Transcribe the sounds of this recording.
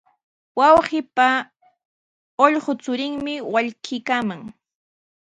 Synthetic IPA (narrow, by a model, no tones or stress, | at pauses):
wɑwχɪpa | oʎɢot͡sʊɾɪŋmɪwaʎkʰɪkaːmaŋ